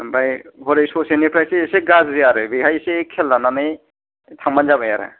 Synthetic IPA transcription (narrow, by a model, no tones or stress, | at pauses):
bajbɔɾejsosenipʰɾajseseɡazziaɾɯbiɡʱajsekʰɛlːananɯj | t̪ʰaŋmanzabaja̰ɾa̰